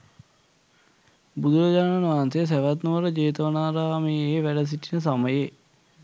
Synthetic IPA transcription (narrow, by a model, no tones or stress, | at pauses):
bud̪ujod͡ʒaːnanaːnsejəs̬æʋat̪nuʋəɾəd͡ʑeːt̪əʋənaːɾaːmieːʋæɖəs̬iʈinəs̬aməje